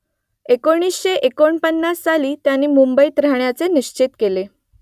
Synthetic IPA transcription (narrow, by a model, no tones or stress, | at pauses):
ekoɽ̃iːsɕeʔekoɳpənːasːaliːt̪janːiːmumbəiːt̪ɾaɳjat͡seniɕt͡ɕit̪kele